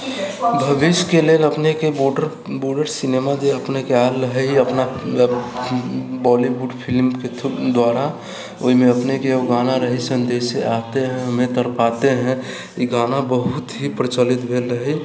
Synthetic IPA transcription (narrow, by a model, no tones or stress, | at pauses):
bʱəʋiʃkeleːləpnekeboɖəɾ | boːɾɖəɾsineːmad͡ʒeəpnekeaːlːəɦɛɦiəpna | bɔliʋuɖpʰɪlmked̪waːɾa | oːimẽəpnekeoɡaːnaɾəɦisənd̪eːseaːt̪eɦɛ̃ɦəmẽt̪əɾpaːt̪eɦɛ̃ | iɡaːnabəɦʊt̪ɦipɾət͡ʃəlɪt̪bʱelɾəɦi